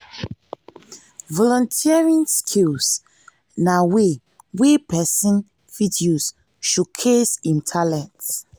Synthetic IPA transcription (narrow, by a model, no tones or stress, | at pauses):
vɔlɔ̃ntʰiɛɹĩnskʰils | nawe | wepɛsĩn | fidios | ʃukʰesĩntʰalɛ̃nt